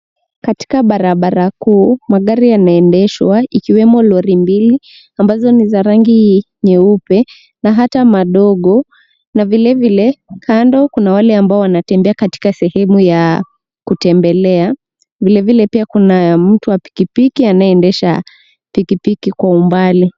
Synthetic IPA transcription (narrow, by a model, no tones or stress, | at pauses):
kati̥kaɓaɾaɓaɾakuːmaɠaɾijanaɛndɛʃwaikiwɛmɔlɔɾimbili | ambazɔnizaɾaŋɡi | ɲɛupɛ | naɦatamaɗɔɠɔ | navilɛvilɛkʰandɔkunawalɛambaɔwanatɛmbɛakati̥kasɛhɛmuja | kutɛmbɛlɛa | vilɛvilɛpiakunam̩tuwapi̥kipikianaɛɛndɛʃa̰ | pikipikikwaumbali